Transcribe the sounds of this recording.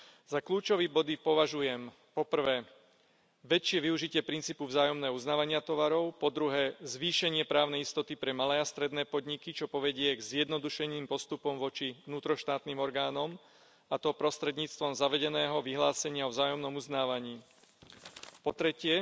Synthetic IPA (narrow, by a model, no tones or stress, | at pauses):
z̥akluːt͡ʃɔʋibɔd̪ipɔʋaʒujɛm | pɔpr̩ʋɛː | ʋɛt͡ʃɪɛʋiuʒicɪɛpɾint͡siːpuvzaːjɔmnɛːɦɔuznaːʋaɲɪat̪ɔʋaɾɔʊpɔd̪ɾuɦɛːzʋiːʃɛɲɪɛpɾaːʊnɛjist̪ɔt̪ipɾɛmalɛːast̪ɾɛd̪nɛːpɔd̪ɲikit͡ʃɔpɔʋɛɟɪɛɡzjɛd̪nɔd̪uʃɛɲiːmpɔst̪upɔmʋɔt͡ʃiʋnuːt̪ɾɔʃt̪aːt̪niːmɔɾɡaːnɔm | at̪ɔpɾɔst̪ɾɛd̪ɲiːt͡st̪ʋɔmzaʋɛɟɛnɛːɦɔʋiɦlaːsɛɲɪaɔvzaːjɔmnɔmuznaːʋaɲiː | pɔt̪ɾɛcɪɛ